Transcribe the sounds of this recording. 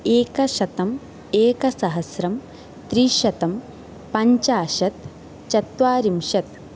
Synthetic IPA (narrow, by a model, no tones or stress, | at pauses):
eːkɐʃɐt̪ɐm | eːkɐsɐɦɐsɾɐm | t̪ɾiːʃɐt̪ɐm | pɐɲt͡ʃaːʃɐt̪ | t͡ʃɐt̪ʋaːɾimʃɐt̪